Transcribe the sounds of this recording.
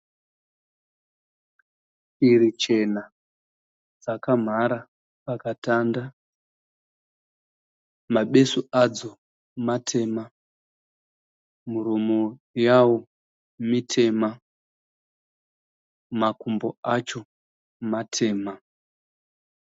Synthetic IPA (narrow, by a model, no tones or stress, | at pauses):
iɾit͡ʃe̞na | d͡zakam̤aɾa | pakatanda | maɓe̞suad͡zo̞ | matʰe̞ːma | muɾumo | jawo | mitʰe̞ma | makumboat͡ʃo̞ | matʰe̞ːma